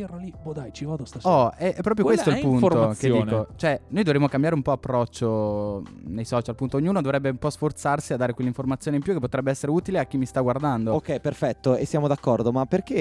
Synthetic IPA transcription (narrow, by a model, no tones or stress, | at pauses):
ralibod̪ajt͡ʃivad̪ost̪aɔɛʔɛpːɾɔːpɾjokwest̪oilpunoɾoked̪iːnkot͡ʃoɛnojd̪ovɾemokambjaːɾeumpɔapːɾɔt͡ʃːo | nejsɔːt͡ʃalpunt̪oːɲːuːnod̪ovɾɛbːeumpɔsfort̪sarsiad̪aːɾekwelːiɱformat̪sjoːneimpjukepːot̪ɾɛbːeɛsːeɾeuːt̪ileakːimːist̪aɡward̪and̪ookːɛjperfɛt̪ːoesːjaːmod̪akːɔrd̪omapːerke